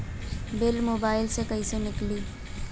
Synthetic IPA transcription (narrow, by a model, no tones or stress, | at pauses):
belmobaɪlsekəɦisenɪkli